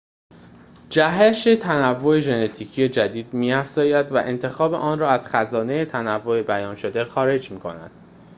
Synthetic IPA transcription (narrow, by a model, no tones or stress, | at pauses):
d͡ʒæɦeʃe̞t̪ʰænævːo̞e̞ʒe̞net̪ʰiːcʰije̞d͡ʒæd̪iːd̪miːæfz̥ɒːjæd̪væ̰ʔe̞nt̪ʰe̞xɒːbe̞̰ʔɒːnrɒːæz̥xæzɒːne̞jet̪ʰænævːoebæjɒːnʃo̞d̪e̞xɒːɾe̞d͡ʒmiːkʰo̞̰næ̰nd̪̥